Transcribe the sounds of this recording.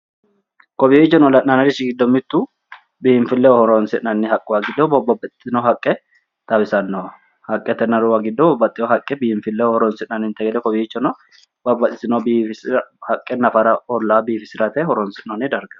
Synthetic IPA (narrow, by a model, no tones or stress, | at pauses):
kɔbiːɪt͡ʃːɛnɔlːɐnɐnɐɾɪsɪɡɪd̪ːɔmɪt̪ːu | biːɪnfɪlːɛɔhɔɾɔnsɪʔnɐnːɪhɐkʼːʊwaɡɪd̪ːɔbɔbɐbɐt̪ɪ̥t̪ʼːɪnoɦɐkʼːɛ | t̪ɐbɪsɐnːo | hɐkʼːɛt̪ːɛnːɐɾʊwaɡɪd̪ːɔbɔbːɐt̪ʼːɪohɐkʼːɛbihɪɱfɪlːɛɔhɔɾɔnsɪnɐnːɪnt̪ɐɡɛd̪ɛkɔbiɪt͡ʃːɔnɔ | bɐbːɐt̪ʼːɪsɪnobiːfɪshɐkʼːɛnɐfɐɾɐɔlːaːbiːfɪsɪɾɐt̪ɛɦɔɾɔnsɪtnɔnɪd̪ɐɾɡɐ